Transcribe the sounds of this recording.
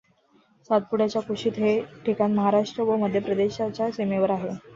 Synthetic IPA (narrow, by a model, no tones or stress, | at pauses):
sat̪̚puɽjat͡ɕjakuʂiːt̪ɦeʈikanməɦaɾaʂʈɾəʋəməd̪ʱːjepɾəd̪eɕat͡ɕjasemeʋəɾaɦe